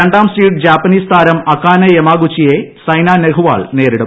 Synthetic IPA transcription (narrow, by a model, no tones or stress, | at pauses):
eɳɖaːmsiːʈ̚d͡ʑaːpːɐniːst̪ʰaːɾɐmɐkːaːnɐjemaːɡut͡ɕːijesɐjnaːneɡuʋa̰ːɭneːɾiɽɐ